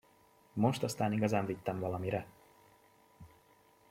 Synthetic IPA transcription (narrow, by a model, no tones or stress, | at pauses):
mo̞ʃt̪ɒst̪aːniɡɒzaːɱvit̪ːɛɱvɒlɒmiɾɛ